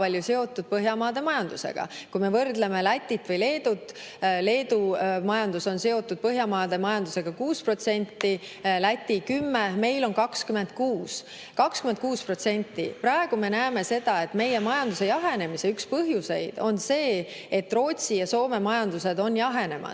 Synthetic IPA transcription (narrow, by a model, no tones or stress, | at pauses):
pɑlʲjuse̞o̞t̪ːˑud̪̥̚pɤɦjɑmɑːd̪̥e̞mɑjɑnd̪use̞̰ɡ̥ɑ̰kujme̞vɤrd̪le̞me̞læt̪ʲːˑit̪ːˑvɤjle̞ːd̪̥ut̪ː | le̞ːd̪umɑjɑnd̪̥uso̞nse̞o̞t̪ːˑud̪̥̚pɤɦjɑmɑːd̪e̞mɑjɑnd̪use̞ɡ̥ɑkuːspro̞t̪se̞nʲt̪ːi | læt̪ʲːikymːeme̞jlo̞nkɑkskyme̞nd̪̥̚kuːs | kɑkskyme̞nt̪̚kuːspro̞t̪se̞nʲt̪ːˑḭprɑeɡ̥ume̞næːme̞se̞d̪ɑe̞t̪ːˑme̞je̞mɑjɑnd̪use̞jɑɦe̞ne̞mise̞ykspɤɦjuse̞jd̪̥o̞nse̞ː | e̞t̪ːro̞ːt̪ʲsijɑso̞ːme̞mɑjɑnd̪use̞d̪o̞njɑɦe̞ne̞mʔɑ̰